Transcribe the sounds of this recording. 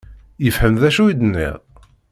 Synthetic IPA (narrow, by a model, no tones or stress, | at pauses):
jəfhəmðæʃuid̪nːḭʁ